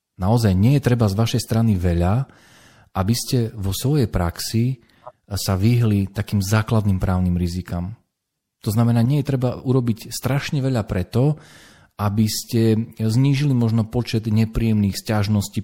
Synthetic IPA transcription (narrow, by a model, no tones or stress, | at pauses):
naɔzajɲɪɛjɛt̪ɾɛbazʋaʃɛjst̪ɾaniʋɛʎa | ʔabiscɛʋɔsʋɔjɛjpɾaksi | saʋiɦlit̪akiːmzaːklad̪nimpɾaːʊnimɾizikam | t̪ɔznamɛnaːɲɪɛjɛt̪ɾɛbauɾɔbicst̪ɾaʃɲɛʋɛʎapɾɛt̪ɔ | abiscɛzɲiːʒilimɔʒnɔpɔt͡ʃɛd̪ɲɛpɾijɛmniːxscaʒnɔsciː